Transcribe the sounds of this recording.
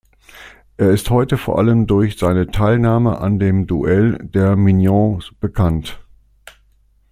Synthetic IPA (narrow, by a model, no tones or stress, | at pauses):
ʔeːɐɪsthɔʏtəfoːɐʔaləmdʊɐçz̥aɪnətʰaɪlnaːmə̰ʔa̰ndeːmduʔɛld̥eːɐminjɔ̃b̥əkʰant